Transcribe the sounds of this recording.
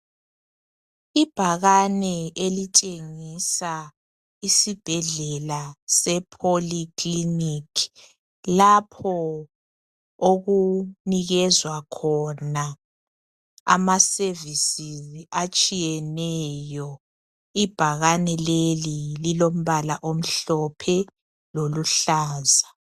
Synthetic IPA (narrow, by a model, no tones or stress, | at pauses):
ib̥ʱaɣanɛelit͡ʃʼeŋisa | isib̥ʱɛɮɛlasɛpʰoliklinikʰi̥ | lapʰɔ | oɣuniɣɛzwakʰɔna | a̰masevisiziʔat͡ʃʼijɛnɛjɔ | ib̥ʱaɣanɛlelililom̩βalaʔom̩ɬɔpʰɛ | loluɬaːza